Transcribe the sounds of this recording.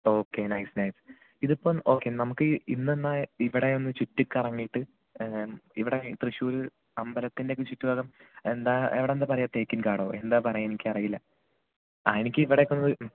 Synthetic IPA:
o̞ːkːe̞nɐjsnɐjs | iðupːoːɭo̞ːkːe̞nɐmukːɨinːenːaiʋiɽe̞onːɨt͡ɕutːukːɐrɐŋːijiʈːɨ | iʋiɽet̪rɨɕuːɾu | ɐmbɐlɐt̪ːinde̞ːkːɨt͡ɕutːuʋaːɣɐmend̪aːḛʋiɽend̪aːp̬ɐrɐjaːt̪e̞ːkːinkaːɽoe̞nd̪aːpɐrɐjaːenikʲːɨɐrɐjilːɐ | ɐ̰ðinikʲːɨiʋiɽe̞kːonːɐðɨ

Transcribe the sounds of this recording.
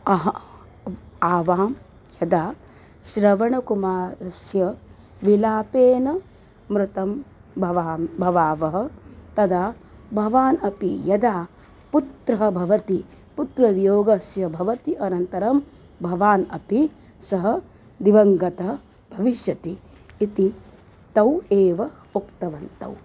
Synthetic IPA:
ɐɦɐ | aːʋaːm | jɐd̪aː | ʃɾɐʋɐɳɐkumaːɾɐsjɐ | ʋilaːpeːnɐ | mɾut̪ɐm | bʱɐʋaːbʱɐʋaːʋɐɦɐ̆t̪ɐd̪aːbʱɐʋaːnɐpijɐd̪aː | put̪ɾɐɦɐbʱɐʋɐt̪i | put̪ɾɐʋjoːɡɐsjɐbʱɐʋɐt̪iʔɐnɐnt̪ɐɾɐm | bʱɐʋaːnɐpi | sɐɦɐ | d̪iʋɐŋɡɐt̪ɐ | b̥ʱɐʋiʃjɐt̪iː | t̪i | t̪ɐweːʋɐ | okt̪ɐʋɐnt̪ɐ̰w

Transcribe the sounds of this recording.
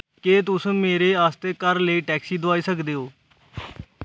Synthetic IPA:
keːt̪ʊsũːmeːɾeːaːst̪eːkəɾləiːʈɛːksiːd̪ʊaːiːsəkd̪eːɦoː

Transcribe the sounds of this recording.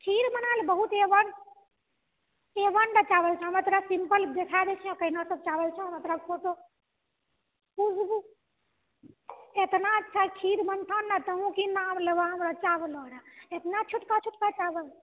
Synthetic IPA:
kʰiɾmənalbəɦut̪eʋəɳɖ | eʋəɳɖat͡ʃabəlt͡ʃʰɛ̃ɦəmət̪ɾasimpəld̪ekʰad̪ɛt͡ʃʰiɔkəɦinasəbt͡ʃabəlt͡ʃʰə̃mət̪ɾabkʰot̪o | pusbu | et̪nat͡ʃʰakʰiɾmənt̪ʰanːət̪əɦũkinamləʋaɦəmɾat͡ʃablɔɽaet̪nat͡ʃʰuʈkat͡ʃʰuʈkat͡ʃabəl

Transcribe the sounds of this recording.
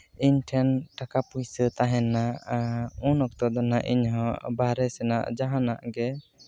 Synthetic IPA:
iɲʈʰɛnʈakapujsət̪aɦɛ̃naʔunɔk̚t̪ɔd̪ɔnaʔiɲɦɔ̃baɾɛsɛna̰ʔd͡ʒaɦanaʔɡɛ

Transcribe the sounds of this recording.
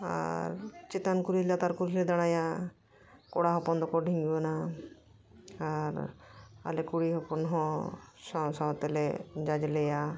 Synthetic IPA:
a̰ɾt͡ʃet̪ankuɾilat̪aɾkuɾiɦlɛd̪aɽ̃aja | kɔɽaɦɔpɔnd̪ɔkɔɖʱiŋɡibana | aɾa̰lɛkuɽiɦɔpɔnɦɔ̃sasat̪ɛlɛd͡ʒad͡ʒlɛja

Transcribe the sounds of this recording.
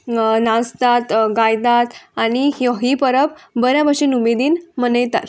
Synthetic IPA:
nast̪at̪ɡajd̪at̪añihjoɦipəɾəpbəɾjabəɕinumed̪iːnmənəjt̪a̰ɾ

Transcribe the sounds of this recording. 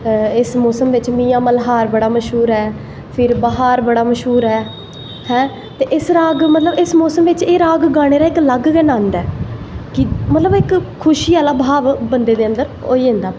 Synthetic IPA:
ɪsmɔːsəmʋɪt͡ʃmĩːãːməlɦaːɾbəɽaːməʃɦuːɾɛː | pʰɪɾbəɦaːɾbəɽaːməʃɦuːɾɛː | hɛ̃ː | t̪eːʔɪsɾaːɡmət̪ləbɪsmɔːsəmʋɪt͡ʃeːɾaːɡɡaːɽ̃eːɾaːɪkləɡɡɛnãːnd̪ɛːkɪmət̪ləbɪkʰː | ʊʃiːaːlaːbʱaːʋbənd̪eːd̪eːə̃nd̪əɾo̰ːiːɦə̃nd̪aː

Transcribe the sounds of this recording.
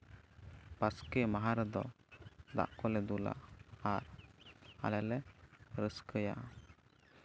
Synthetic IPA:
baskɛmaɦaɾɛd̪ɔ | d̪a̰ʔkɔlɛd̪ula̰ʔaɾ | a̰lɛlɛɾəskəja̰ʔ

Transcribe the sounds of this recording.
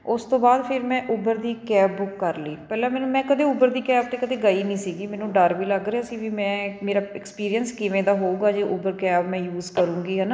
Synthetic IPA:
ʊst̪õːbaːd̪pʰɪɾmɛ̃ːʔʊbəɾd̪iːkɛːbːʊkːəɾliːpɛːlɛ̃ːmɛːnũːmɛ̃ːkəd̪eːʊbəɾd̪iːkɛːb̚t̪eːkəd̪eːɡaːiːnĩːsiːɡiːmɛ̃ːnũːɖəɾʋiːləɡɾeaːsiːʋiːmɛ̃ːmeːɾaːɪkspiːɾijənskɪʋẽːd̪aːɦoːuːɡaːd͡ʒeːʔʊbəɾkɛːbmɛ̃ːjuːzkəɾũːɡiːɦənaː

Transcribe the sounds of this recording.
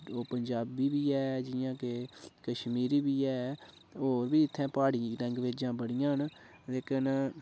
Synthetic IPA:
oːpəɲd͡ʒaːbiːbiːɛːd͡ʒɪjãːkekəʃmiːɾiːbiːɛː | oːɾbiːɪt̪ʰːɛ̃ːpaːɽiːɾɛ̃ŋɡʋeːd͡ʒãːbəɽɪjãːənleːkʰən

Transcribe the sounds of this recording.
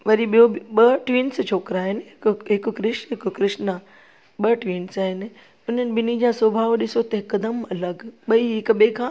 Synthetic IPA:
ʋɐɾiɓijoɓɐʈʋĩːnst͡ɕʰoːkɾaːɦɪnɪɦɪkɦɪkʊkɾɪʃɦɪkkɾɪʃna | ɓɐʈʋiːnsaːɦɪnɪ̆ | ʊn̤ənɪ̆bɪnid͡ʑaːsobʱaːʋɗɪsot̪ɐɦɪkɐd̪əmɐləɡɓɐiɦɪkɓeːkʰãː

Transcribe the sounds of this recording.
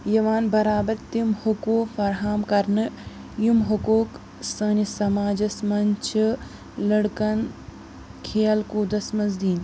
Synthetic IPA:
jɐʋaːnbɐɾaːbɐɾt̪imhukuːfɐɾɦaːmkɐɾnɨ | jumɦukoːk | səːnisɐmaːd͡ʒɐsmɐnʲt͡ʃʰɨ | lɐɽkɐn | kʰeːjɐlkuːd̪ɐsmɐnzd̪iːn

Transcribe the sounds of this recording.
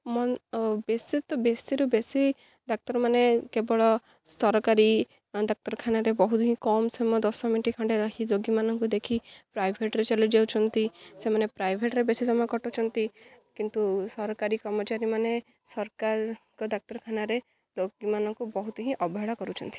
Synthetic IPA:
mɔnbesit̪ɔbesiɾubesi | d̪ɔk̚t̪ɔɾmanekebɔɭɔ | st̪ɔɾɔkaɾi | d̪ɔk̚t̪ɔɾɔkʰanaɾebɔɦut̪ɔɦĩkɔmsɔmɔd̪ɔsɔmiʈikʰãɳɖeɾɔɦiloɡimanɔŋkud̪ekʰipɾajbʱeʈɾet͡ʃalud͡ʒewt͡ʃʰɔnt̪isemanepɾajbʱeʈɾebesisɔmɔjɔkɔʈot͡ʃʰɔnt̪ikint̪usɔɾɔkaɾikɾɔmɔt͡ʃaɾimane | sɔɾkaɾkɔd̪ɔk̚t̪ɔɾkʰanaɾe | loɡimanɔŋkubɔɦut̪ɔɦĩʔɔbɔɦeɭɔkɔɾut͡ʃʰɔnt̪i

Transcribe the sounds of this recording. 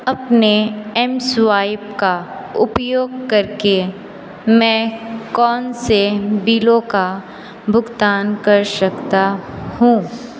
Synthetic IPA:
ɐpneɛmsʋaːɪb̚ka | ʊpjoːɡ̚kɐɾke | mɛ̃ːkɔːnsebiːlõka | bʱʊɡt̪aːnkɐɾʃɐkt̪ahũː

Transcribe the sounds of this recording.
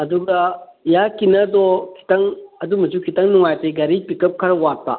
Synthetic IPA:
ɐd̪uɡɐjakinɐdɔkʰi̥tɐŋɐd̪umɐzukʰitɐŋnuŋajteɡɐɾipikɐp̚kʰɐɾwat̚pa̰

